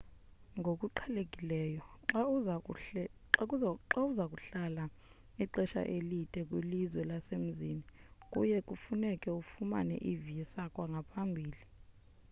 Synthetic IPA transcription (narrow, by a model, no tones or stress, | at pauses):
ŋɡʱokʼuǃʰalekʼilɛjɔǁau | kʼuaǁauzakʼuɬala | iǃɛʃa̰ʔelitʼɛk̬ʼwilizwɛlasem̩ziːnikʼṵjɛkʼufunɛkʼɛufuma̰nɛ̰ʔivijisakʼwaŋɡʱapʰambʱiːli